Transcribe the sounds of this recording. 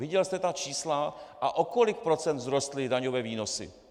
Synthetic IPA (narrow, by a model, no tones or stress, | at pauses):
vɪɟɛlst̪ɛt̪at͡ʃiːslaʔaʔoko̞lɪk̚pɾo̞t͡sɛnd̪zɾo̞st̪lɪdaɲovɛːviːno̞sɪ̰